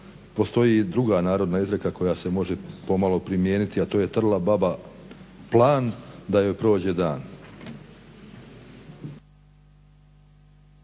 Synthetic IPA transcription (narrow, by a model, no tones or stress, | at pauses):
po̞st̪o̞jid̪ɾuɡanaːɾo̞d̪naizɾekako̞jase̞mo̞ʒepo̞malo̞pɾimjeːnit̪iat̪o̞ːje̞t̪r̩lˠababa | plˠaːnd̪ajo̞jpɾo̞ːd͡ʑe̞d̪aːn